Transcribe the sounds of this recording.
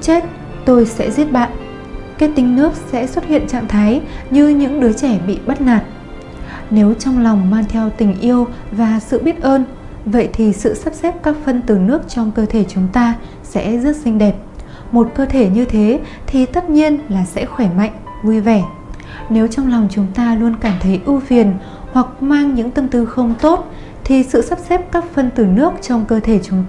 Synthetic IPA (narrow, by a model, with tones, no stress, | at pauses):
t͡ɕe˦˥t̚ | t̪o˧jsɛ̰˧˥zi˦˥əp̚ɓa̰ː˧˨n | kaː˨˦˥j̚t̪ï˨˦ŋ̟nɨ˦˥ək̚sɛ̰˧˥swə˦˥t̚hḭ˧˨ənt͡ɕa̰ː˧˨ŋt̪ʰaː˨˦jɲɨ˧ɲɨ̰˧˥ŋɗɨ˨˦ət͡ɕɛ˧˩ɓḭ˧˨ɓə˦˥t̚naː˨˩t̚ | ne˨˦wt͡ɕɔ˧wŋ͡mlɔ˨˩wŋ͡mmaː˧ŋt̪ʰɛ˧wt̪ï˨˩ŋ̟ʔi˧əwvaː˨˩sɨ̰˧˨ɓi˦˥ət̚ʔəː˧n | və̰˧˨jt̪ʰi˨˩sɨ̰˧˨sə˦˥p̚sɛ˦˥p̚kaː˦˥k̚fə˧nt̪ɨ˨˩nɨ˦˥ək̚t͡ɕɔ˧wŋ͡mkəː˧t̪ʰe˧˩t͡ɕʊ˨˦ŋ͡mt̪aː˧ | sɛ̰˧˥zə˦˥t̚sï˧ŋ̟ɗɛ˨˩p̚ | mo˨˩t̚kəː˧t̪ʰe˧˩ɲɨ˧t̪ʰe˨˦ | t̪ʰi˨˩t̪ə˦˥t̚ɲi˧ənlaː˨˩sɛ̰˧˥xwɛ˧˩ma̰˧˨jŋ̟ | vu˧jvɛ˧˩ | ne˨˦wt͡ɕɔ˧wŋ͡mla˨˩wŋ͡mt͡ɕʊ˨˦ŋ͡mt̪aː˧lu˧ənkaː˧˩mt̪ʰə˨˦jʔu˧vi˨˩ən | hwa˨˩k̚maː˧ŋɲɨ̰˧˥ŋt̪ə˧mt̪ɨ˨˦xə˧wŋ͡mt̪o˦˥t̚ | t̪ʰi˨˩sɨ̰˧˨sə˦˥p̚sɛ˦˥p̚kaː˦˥k̚fə˧nt̪ɨ˨˩nɨ˦˥ək̚t͡ɕɔ˧wŋ͡mkəː˧t̪ʰe˧˩t͡ɕʊ˨˦ŋ͡m